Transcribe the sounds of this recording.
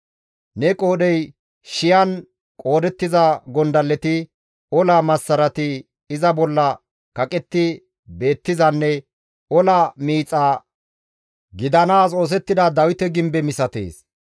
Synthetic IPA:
nɛkʼo̞ːɗɛj | ʃɪjɐn | kʼo̞ːd̪ɛt̪ːɪzɐɡɔnd̪ɐlːɛt̪ɪ | ɔlɐmɐsːɐɾɐt̪ɪ | ɪzɐbɔlːɐ | kɐkʼɛt̪ːɪ | be̞ːt̪ːɪzɐnːɛ | ɔlɐmiːt͡sʼːaː | ɡɪd̪ɐnaːso̞ːs̬ɛt̪ːɪd̪ɐd̪ɐwɪt̪ɛɡɪmbɛmɪsɐt̪ḛːs

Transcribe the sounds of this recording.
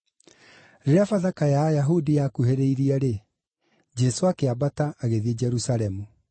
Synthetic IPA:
ɾeɾeafaðakajajaɦudijakuheɾeiɾiaɾe | d͡ʑɛsoakeabataːɣeðied͡ʑɛɾusaɾɛmu

